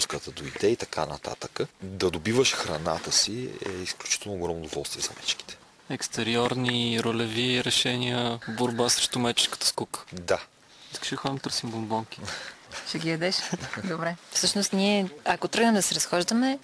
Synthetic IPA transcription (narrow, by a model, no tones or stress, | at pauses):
skət̪əd̪oid̪ɛit̪ɐkʰa̰nɐ̰t̪a̰t̪əkəd̪ɐd̪obivəʃxɾɐna̰t̪əsiɛ̰isklʲut͡ʃi̥t̪ɛlˠnoːɡɾɔmnod̪ovɔlˠst̪viɛzɐmɛ̰t͡ʃki̥t̪ɛ̥ | ɛkst̪ɛɾiɔɾniɾolɛviɾɛʃɛniəboɾbasɾɛʃt̪ʊmɛt͡ʃɛ̥skə̥t̪ə̥skukə̥d̪a | iskə̥ʃɛd̪əxɔɛmt̪əɾsimbombɔŋkʲi̥ʃɛɡʲiɐd̪ɛʃd̪obɾɛfsɤʃnost̪niɛɐkot̪ɾɤɡnəmd̪ɐsɛɾɐsxɔʒd̪ɐmɛ